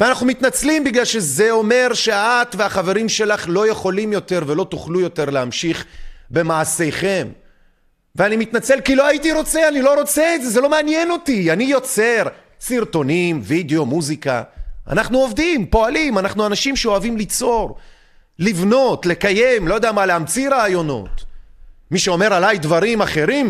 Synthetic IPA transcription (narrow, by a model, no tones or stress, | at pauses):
veanaχnumit̪nat͡slimbiɡlalʃe̞ze̞o̞me̞ʁʃe̞aat̪veaχave̞ʁimʃe̞laχlo̞je̞χo̞limjo̞t̪e̞ʁve̞lo̞t̪uχlujo̞t̪e̞ʁlehamʃiχbe̞maːse̞jχe̞m | veanimit̪nat͡se̞lkilo̞ajit̪iʁo̞t͡seanilo̞ʁo̞t͡seetzezelo̞meanjeno̞t̪ianijo̞t͡se̞ʁ | siʁt̪o̞nimvid̪eo̞muzika̰a̰naχnuo̞vd̪impo̞alimanaχnuanaʃimʃeoavimlit͡so̞ʁ | livno̞t̪le̞kaje̞mlo̞jod̪eamalehamt͡siɾaːjo̞no̞̰t̪ | miʃeo̞me̞ʁalajd̪vaʁimaχe̞ʁim